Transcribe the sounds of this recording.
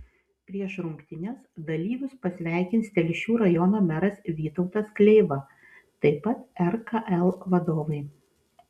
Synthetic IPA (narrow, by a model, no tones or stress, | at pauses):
pʲɾʲiɛʃɾʊŋʲkt̪ʲɪnʲɛsd̪ɐlʲiːʋʲʊspɐsʲʋʲæˑɪkʲɪnsʲt̪ʲɛlʲʃʲuːɾɐjɔnoːmʲæɾɐsʋʲiːt̪ɒʊt̪ɐsklʲɛɪʋɐ | t̪ɐɪpɐt̪ɛɾkɐʔɛlˠʋɐd̪oːʋɐɪ